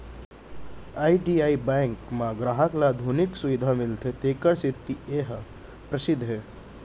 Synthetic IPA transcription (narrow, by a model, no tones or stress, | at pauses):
aiɖiaibɛ̃ŋkmãɡɾaːɦəklad̪ʱuniksuʋid̪ʱamɪlt̪ʰet̪eːkəɾsit̪ːieɦ | pɾəsɪd̪ʱːɦe